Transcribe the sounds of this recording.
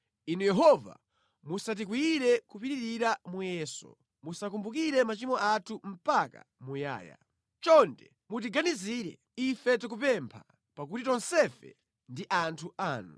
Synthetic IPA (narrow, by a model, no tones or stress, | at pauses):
inujɛɦɔva̰ | musat̬ik̬wiɾɛkupiɾiɾiɾamujɛːsɔ̰ | musak̬umbuk̬iɾɛmat͡ʃimɔʔatʰum̩paka̰muja̰ːja̰ | t͡ʃɔntɛ | mut̬iɡaniziːɾɛ̰ | ifɛtik̬up̬ɛmpʰa | pakutitɔnsɛfɛ̰ | ndiʔantʰuaːnu